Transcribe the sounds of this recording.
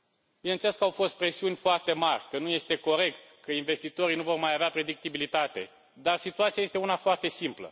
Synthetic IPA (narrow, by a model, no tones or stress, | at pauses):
binent̪eleskəawfo̞st̪̚pɾe̞siunʲfoart̪e̞marʲkənuje̞st̪e̞ko̞ɾe̞k̚t̪kəinve̞st̪it̪o̞ɾijnuvo̞rmajaveapɾe̞d̪ik̚t̪ibilit̪at̪e̞̰ | d̪arsit̪uat̪siaje̞st̪eunafoart̪e̞simplə̰